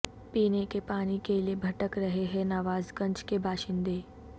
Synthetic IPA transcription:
piːnekepaːnikeliebʱɐʈəkɾɐɦeɦɛnaːʋaːzkɐ̃ɲt͡ʃkebʱaːʃɪ̃nd̪eː

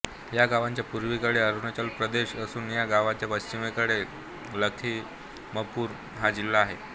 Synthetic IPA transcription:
jaɡaʋaɲt͡ɕjapuɾʋikəɽeəɾunət͡ɕalpɾəd̪eɕəsuːnjaɡaʋaɲt͡ɕjapəɕt͡ɕimekəɽe | ləkʰiː | məpuːɾ | ɦad͡ʑilːaːɦe

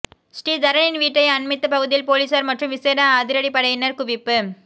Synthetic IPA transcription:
sʈiːd̪ɐɾɐnɪnʋiːʈːɐɪɐnmɪt̪ːɐpɐɣɯðɪjɪlpoːliːsɐɾmɐʈrɯmʋɪseːɾaːðɪɾɐɽipɐɽɐjɪnɐɾkʊʋɪpːɯ

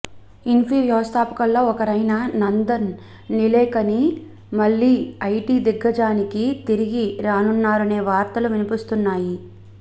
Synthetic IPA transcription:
inpʰiːʋjɐʋɐst̪ʰaːpɐ̥kɐlːo̞ːɔkɐɾɐjnɐnɐnd̪ɐnː | ilɛːkɐni | mɐɭːiːɐjʈiːd̪iɡːɐd͡ʒaːnikit̪iɾiɡiɾaːnunːaːɾɐne̞ːʋaːɾt̪ɐluʋinipist̪unːaːji

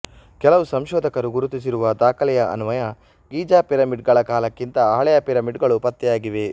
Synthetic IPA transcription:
kɛlɐʋusɐmʃɔːd̪ʱɐkɐɾuɡuɾut̪isiɾuʋɐd̪aːkʰɐlɛjɐʔɐ̰numɐjɐ | ɡiːd͡ʒaːpiɾɐmiɖɡɐɭɐkaːlɐkːint̪ɐaːɭɛjɐpiɾɐmiɖɡɐɭupɐt̪ːɛjaːɡiʋe̞

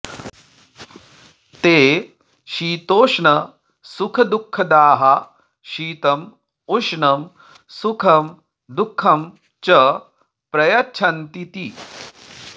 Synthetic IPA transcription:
t̪eː | ʃiːt̪oːʂnɐ | sukʰɐd̪ukʰːɐd̪aːɦɐ | ʃiːt̪ɐm | uʂnɐm | sukʰɐm | d̪ukʰːɐm | t͡ʃɐ | pɾɐjɐt͡ʃʰɐnt̪it̪i

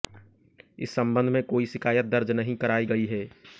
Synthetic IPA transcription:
ɪ̰sːɐ̃mbə̃nd̪ʱmẽkoːiʃɪkʰaːjət̪̚d̪ɐɾd͡ʒnɐɦĩkɐɾaːiɡɐiɦɛː

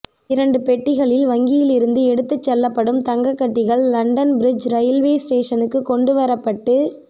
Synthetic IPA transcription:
ɪɾɐɳɖɯpɛʈːɪɣɐɭɪlʋɐŋɡɪjɪlɪɾɯnd̪ɯɛɽɯt̪ːɯt͡ʃːɛlːɐpːɐɽɯmt̪ɐŋɡɐkːɐʈːɪɣɐɭːɐɳɖɐnbɪɾɪd͡ʒɾɐjɪlʋeːsʈeːʂɐnɯkːɯkːɔɳɖɯʋɐɾɐpːɐʈːɯ

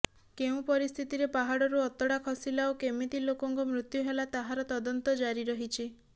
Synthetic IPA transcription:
keũpɔɾist̪ʰit̪iɾepaɦaɽɔɾuɔt̪ɔɽakʰɔsilaokemit̪ilokɔŋkumɾut̪juɦelat̪aɦaɾɔt̪ɔd̪ɔnt̪ɔd͡ʒaɾiɾɔɦit͡ʃʰi

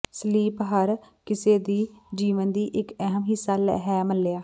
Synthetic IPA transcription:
səliːpɦəɾkɪseːd̪iːd͡ʒiːʋənd̪iːʔɪkəɦəmɦɪsaːl̰ɦɛːməlːeːaː

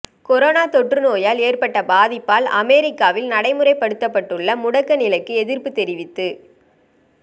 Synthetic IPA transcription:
kɔɾoːnaːt̪ɔʈrɯnoːjaːleːrpɐʈːɐbaːðɪpːaːlɐmɛːɾɪkːaːʋɪlnɐɽɐɪmɯɾɐɪpːɐɽɯt̪ːɐpːɐʈːɯɭːɐmʊɽɐkːɐnɪlɐɪkːɯɛðɪrpɯt̪ɛɾɪʋɪt̪ːɯ

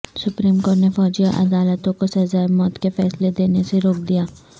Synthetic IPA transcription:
sʊpɾiːmkoːɾʈnefɔːd͡ʒijaʔɐ̰d̪aːlət̪õkosɐzaːɪmɔːt̪kefɛːsled̪eːneseɾoːk̚d̪ijaː

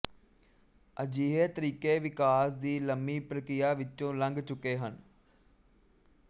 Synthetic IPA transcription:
əd͡ʒiːɦeːt̪əɾiːkeːʋɪkaːsd̪iːləmiːpɾəkɾɪjaːʋɪt͡ʃõːləŋɡt͡ʃʊkeːɦən

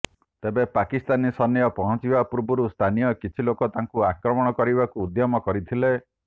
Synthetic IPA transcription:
t̪ebepakist̪anisɔnjɔpɔɦɔ̃t͡ʃibapuɾbuɾust̪ʰanijɔkit͡ʃʰilokɔt̪aŋkuakɾɔmɔɽ̃ɔkɔɾibakuːd̪jɔmɔkɔɾit̪ʰile

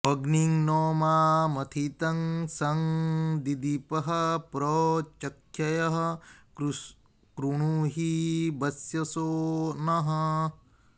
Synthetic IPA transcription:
ɐɡniŋnoːmaːmɐt̪ʰit̪ɐŋsɐŋd̪id̪ipɐɦɐpɾot͡ʃɐkʰjɐjɐɦɐ̆ | ɾu | kɾuɳuɦibɐsjɐsoːnɐɦɐ

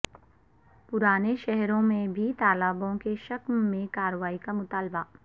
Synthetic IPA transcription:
pʊɾaːneʃɛɦɾõmẽbʱit̪aːlabõkeʃɐkmmẽkaːɾʋaːikamʊt̪aːlba

